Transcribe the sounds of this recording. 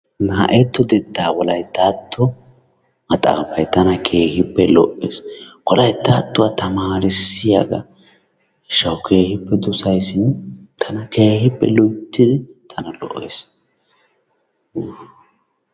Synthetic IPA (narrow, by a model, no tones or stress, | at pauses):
naːʔɛt̪ːɔd̪ɛd̪ːaːwɔlɐjt̪ːaːt̪ːɔ | mɐt̪ʼa̰ːfɐjt̪ɐnɐkʰe̞ːhɪpːɛlɔ̰ʔːḛːskɔlɐjt̪ːaːt̪ːʊwaːt̪ɐmaːɾɪsɪjaɡɐ | ʃɐwʊkʰe̞ːhɪpːɛd̪ʊsɐjsɪnt̪ʰɐnɐke̞ːhɪpːɛlʊjt̪ːɪd̪ɪt̪ʰɐnɐlɔ̰ʔːḛːs